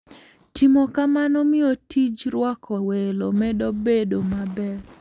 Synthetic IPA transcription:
timɔkamanɔmɪɔtʰid͡ʒɾwɔkʰɔwelomɛdobedomabɛ

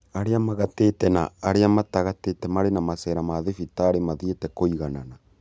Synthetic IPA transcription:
aɾeamaɣatetɛna̰ːɾeamataɣatetɛmaɾenamasɛɾamaðefitaɾemaðietɛkoiɣanana

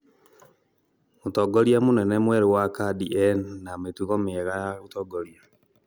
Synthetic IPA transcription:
mutɔɡɔɾjamonɛnɛmwɛɾewakadiɛnnametuɣɔmeɣaɣutɔɡɔlia

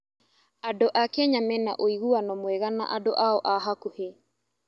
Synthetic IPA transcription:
adoʔakeɲamɛna̰ʔoiɣuanɔmwɛɣana̰ʔadoʔaɔʔaɦakuhe

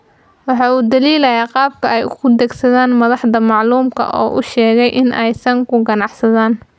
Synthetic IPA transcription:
wɑħɑːuːd̪ɐliːlɐjaːqɑːb̚kʰɐɛjʊ̰ɣʊd̪ɛɡsɐðaːnmɐðɑħdɐmɑʕluːmkʰɐ̰ʔɔ̰ːʔʊʃɛːɣɛjʔɪnʔɛjsɐŋkʰʊɡɐnɑʕħsɐðaːn

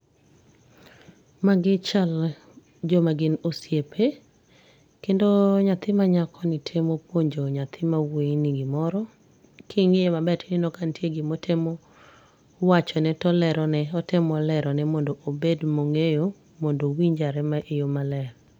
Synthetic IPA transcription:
maɡɪt͡ʃal | d͡ʒɔmaɡɪnosjepʰe | kendoɲat̪ɪmaɲakʰɔnɪtʰemopwoɲd͡ʒoɲat̪ʰɪmaweniɡɪmɔɾɔ | kʰiŋemabɛtnɪnɔkantjeɡɪmotʰemo | wat͡ʃɔnɛtɔlɛɾɔnɛɔtɪmɔlɛɾɔnɛmɔndoʔobedmoŋejo | mɔndowiɲd͡ʒaɾɛmaʔejomalɛɾ

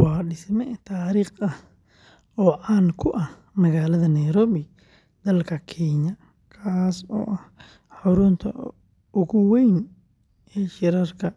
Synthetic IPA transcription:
wɑːɖɪsmɛt̪ʰaːɾiːχɐh | ɔːʕaːnkʰʊʔɐh | mɐɣaːlɐðɐnɐjɾɔːβɪ | d̪ɐlkʰɐkʰɛːɲɐ | kʰaːsɔ̰ːʔɐh | ħʊɾʊnt̪ʰɐ̰ | ʊɣʊwɛjn | ʔɛːʃɪɾɐrkʰɐ

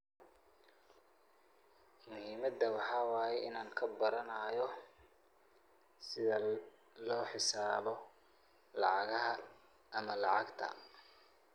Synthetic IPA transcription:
mʊhiːmɐd̪ːɐwɑħɑːwɑːjɛɪnaːŋkʰɐbɐɾɐnajɔ | sɪðɐ | lɔːħɪsaːβɔ | lɑ̰ʕɑɣɐɦɐ | ɐmɐlɑʕɑɡt̪ʰɐ̰

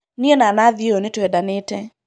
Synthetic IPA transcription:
nionanaðionitɛdanɪtɛ

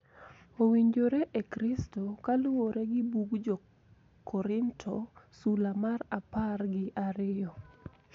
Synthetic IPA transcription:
owiɲd͡ʒoɾeʔekɾistokalʊwoɾeɡɪbuɡd͡ʒo | kʰɔɾɪntʰosulamaraparɡɪʔaɾɪjɔ

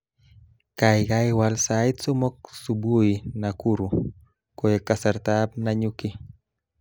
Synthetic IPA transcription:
kajɡajwalsajt̪sumok̚subujinakuɾu | koekasaɾt̪ap̚naɲuki

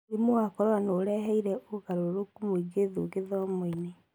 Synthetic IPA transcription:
emoakɔɾwanoːɾɛɦɛiɾɛʔoɣaɾooɾokumoiɡeðoɣeðɔmoine

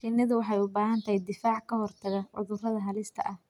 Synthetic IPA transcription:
ʃɪnːɐðʊwɑħɑjʊbaːɦɐnt̪ʰɐjd̪ɪfaːʕkʰɐɦɔrt̪ʰɐɣɐʕʊ̰ðʊrɐðɐɦɐlɪst̪ʰɐ̰ʔɐh

